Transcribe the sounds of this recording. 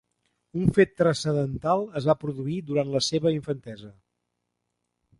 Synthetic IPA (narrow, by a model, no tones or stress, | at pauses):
uɱfet̪ːɾəsəðənt̪alˠəzβapɾuðuiðuɾant̪ləseβəiɱfənt̪ɛzə